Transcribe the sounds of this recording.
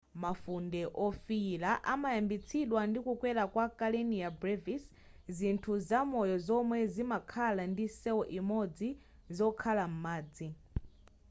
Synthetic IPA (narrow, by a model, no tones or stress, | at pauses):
mafundɛʔɔfiːlaʔamajambit͡sʰiɗwandikukwɛlakwakaleniabɾɛvis | zintʰuzamɔjɔzɔmwɛzimakʰalandisɛwɔʔimɔd͡zi | zɔkʰalam̩maːd͡zi